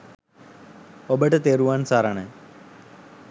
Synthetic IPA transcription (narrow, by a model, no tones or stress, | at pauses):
obeʈːet̪eːɾuʋaːnsaːɾaːɳɨ